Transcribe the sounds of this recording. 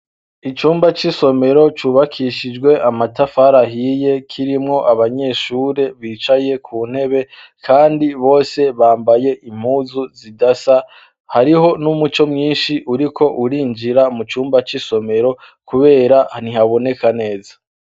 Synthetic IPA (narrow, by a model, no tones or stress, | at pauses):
it͡ʃuːmbat͡ʃiso̞me̞ɾo̞t͡ʃuβakʰiʃid͡ʒɡwe̞ʔamatafaɾaɦije̞kʰiɾimŋo̞ʔaβaɲe̞ʃuːɾe̞βiːt͡ʃaje̞kʰuːn̥he̞βe̞ | kaːndiβo̞ːse̞βaːmbaje̞ʔim̥huːzuzidasa | haɾiɦo̞numut͡ʃo̞mŋiːnʃiʔuɾikʰo̞ʔuɾiːɲd͡ʒiɾamut͡ʃuːmbat͡ʃiso̞me̞ɾo̞ | kuβe̞ːɾahn̥ihaβo̞ne̞kane̞ːzḁ